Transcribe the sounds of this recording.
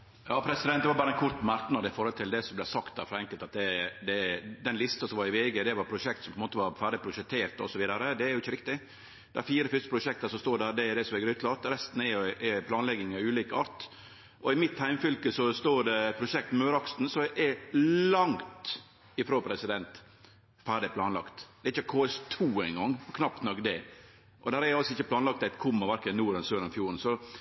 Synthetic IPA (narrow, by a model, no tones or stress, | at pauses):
jɑːpʰɾɛsɪd̪ɛn̚d̪ɛʋɑɾbɑːɾəɛnkʰʊɾt̪ːmɑɾknɑd̪ɪfɔɾhɔlt̪ɪld̪ɛsɔmblæsɑkt̪̚d̪æ̰ːɾfɔɾɛŋkəlt̪ɑt̪̚d̪ɛd̪ɛd̪ɛnlɪst̪ɑsɔmʋɑɾɪʋeːɡəd̪ɛʋɑɾpʰɾʊʂɛk̚t̪sɔmpʰɔɛnmoːt̪əʋɑɾfæːɖɪpʰɾʊʂɛk̚t̪ʰeːɾt̪ɔ̰sɔʋiːd̪ɑɾəd̪ɛæɾjʊɪçːəɾɪk̚t̪ɪ | d̪̥ɛæɾfiːɾəfʏst̪ə̥pɾʊʂɛk̚t̪əɾsɔmst̪oːɾɖæɾd̪ɛɛd̪ɛsɔmʋɛɡəɾʉːt̪lɑt̪ɾɛst̪n̩ɛʔɛpʰlɑːnlɛɡɪŋɑʉːliːkəɑːɾt̪ | ʔɔɪmɪt̪hæɪmfʏlkəsɔst̪oːɖɛpʰɾʊʃɛk̚t̪møːɾɑksn̩sɔʔɛllɑŋt̪ | ɪfɾoːpʰɾɛsɪd̪ɛnt̪ | fæːɖɪplɑːnlɑkt̪d̪̥ɛɾɪçəkʰoːɛst̪ʰuːɛɪŋɡɑŋːɔkʰnɑpt̪nɔkd̪ɛ | ʔɔd̪æːɾɛɾjʊɑlsɔɪçːəpʰlɑːnlɑk̚t̪æɪt̪kʰʊmːəʋæɾkənuːɾɛnsøːɾnɔfjuːɾən̩sɔ